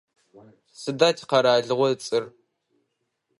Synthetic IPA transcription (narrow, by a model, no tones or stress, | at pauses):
sɨdaːtʰi̥qɐɾaːɮɨʁʷɔɨt͡sʼɨr